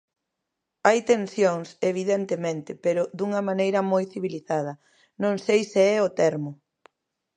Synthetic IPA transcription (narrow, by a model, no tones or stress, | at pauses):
ajt̪ensjoŋseβ̞iðent̪emẽnt̪ɪpeɾʊðuŋɐmanejɾɐmojθiβiliθað̞ɐ | nõŋsejseɛʊt̪ɛɾmʊ